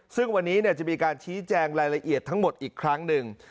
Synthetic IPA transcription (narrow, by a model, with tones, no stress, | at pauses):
sɯ˥˩ŋwa˧nːiː˦˥ni˥˩ɐt͡ɕa˨˩miː˧kaː˧nt͡ɕʰiː˦˥t͡ɕɛː˧ŋɾaː˧jla˧ʔi˨˩ət̪ʰːa˦˥ŋmo˨˩t̪̚ʔiː˨˩kʰɾa˦˥ŋnɯ˨˧ŋ